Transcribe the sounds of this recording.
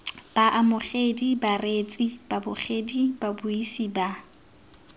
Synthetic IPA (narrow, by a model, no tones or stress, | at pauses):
b̥aʔamʊχedibaret͡sʼib̥abʊχedibabʊisiba